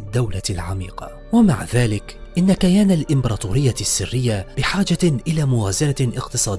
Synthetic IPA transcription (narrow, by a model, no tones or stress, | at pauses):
d̪ːawlalʕa̰mḭːqɑ̰ | wamaʕðaːlɪkʔɪnːakajaːnalʔɪmbɾˤɑːt̪uːɾɪjːasːɪrːɪjːabɪħaːd͡ʒaʔɪlaːmʊwaːzanaʔɪqt̪ɨsˤɑːd̪ɪː